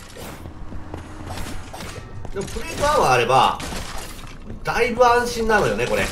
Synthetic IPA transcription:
d̪emopɯ̟ɾiɡɯaβaːɾe̞ba̰ | d̪aibɯ̟ãɰ̃ɕĩnːanojo̞ne̞ko̞ɾe̞̰

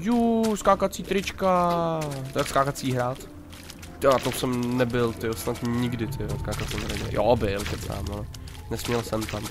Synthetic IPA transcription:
juskaːkat͡siːt̪ɾɪt͡ʃka | t̪akskaːkat̪t͡siːɦɾaːt̪ | oat̪osɛmnɛbɪlt̪ɪjosnat̪ɲɪɡdɪt̪ʰɪoskaːkat̪sɛmɦɾɛjɛ̰jʔobɪltɛt̪sa̰ːmalɛ | nɛsmɲɛlsɛmt̪am

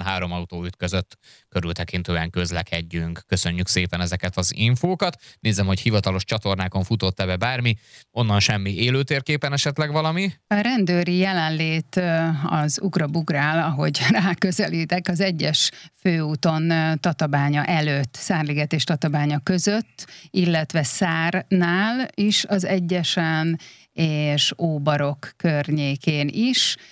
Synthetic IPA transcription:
nɦaːɾo̞mɒut̪oːyt̪køzøt̪ː | køɾylt̪ɛkint̪øːɛŋkø̞zlɛkʰɛɟːyŋkːø̞sø̞ɲːykseːpɛnɛzɛkɛt̪ɒziɱfoːkɒt̪neːzɛmho̞chivɒt̪ɒlo̞ʃt͡ʃɒt̪o̞rnaːko̞ɱfut̪o̞t̪ːɛbɛbaːrmiʔo̞nːɒnʃɛmːieːløːt̪eːrkeːpɛnɛʃɛt̪lɛɡʋɒlɒmiɒɾɛnd̪øːɾijɛlɛnleːt̪ɒzuɡrɒbuɡraːlɒɦo̞ɟraːkø̞zɛliːt̪ɛkɒzɛɟːɛʃføːuːt̪o̞nt̪ɒt̪ɒbaːɲɒʔɛløt̪ːsaːrliɡɛt̪eːʃt̪ɒt̪ɒbaːɲɒkø̞zø̞t̪ːilːɛt̪ʋɛsaːrnaːliʃɒzɛɟːɛʃɛn | eːʃoːbɒɾo̞kːørɲeːkeːniʃ

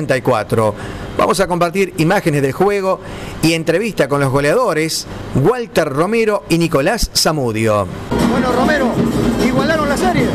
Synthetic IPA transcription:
nt̪ajkwat̪ɾo̰b̥a̰mo̞s̬ako̞mpaɾt̪iɾimaxenezðe̞lxweɣ̞oie̞nt̪ɾe̞βist̪ako̞nlozɣo̞leaðo̞ɾesɣwalt̪eɾro̞meɾoiniko̞lasːamuðjo̰bwenoromeɾoiɣwalaɾonlaseɾje

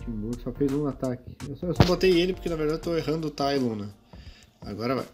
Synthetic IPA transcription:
t͡ʃĩmbuɾɡʊsɔfejzũat̪akɪ̥ewsewsɔbot̪ejelɪpoɾkenɐveɾd̪ad͡ʒeot̪oeɦɐ̃nd̪ʊt̪ajlũnɐ | a̰ɡɔɾɐva̰j

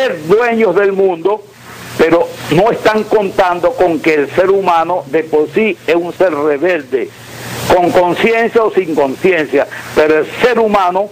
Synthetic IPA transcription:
eɾd̪we̞ɲo̞zðe̞lmũnd̪o̞ | pe̞ɾo̞no̞e̞st̪aŋkont̪and̪o̞ko̞ŋke̞ːlse̞ɾumãnoðe̞po̞ɾsiesunseɾreβe̞ld̪e | ko̞ŋko̞nsje̞nsjaosiŋko̞nsje̞nsjapeɾoe̞lseɾumãno

